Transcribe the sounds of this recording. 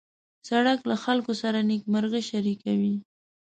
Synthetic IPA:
saɽaklaxalkosaɾanikmaɾɣeʃaɾikawi

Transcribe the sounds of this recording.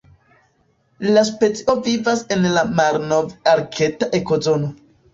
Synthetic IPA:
laspe̞t͡siʔo̞vivase̞nlamaɾno̞vaɾkʰe̞taʔe̞ko̞zo̞no̞

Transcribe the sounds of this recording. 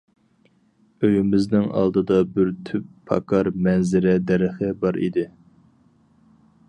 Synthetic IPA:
øjymɪznɪŋɑ̰lˠd̪ɨd̪ɑbɪɾt̪ʰypʰːɑ̰kʰɑɾmɛnzɪɾɛd̪ɛɾɪχəbɑɾḭd̪ɪ

